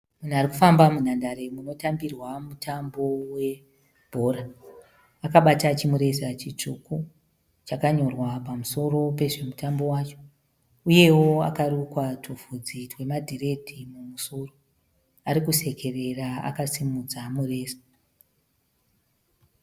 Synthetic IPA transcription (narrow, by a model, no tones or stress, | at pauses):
mun̤uaɾikufambamun̤andaɾe̞muno̞tambirwamutambo̞we̞ | bʱo̞raː | kaɓatat͡ʃimuɾe̞sat͡ʃit͡ʂuku | t͡ʃakaɲo̞rwapamuso̞ro̞pe̞ʐe̞mutambo̞wat͡ʃo̞̥ | uje̞wo̞a̰karukwatʰuvʱud͡zitwe̞madʱire̞dʱimumusuro | aɾikuse̞ke̞re̞raa̰kasimud͡zamure̞ːsḁ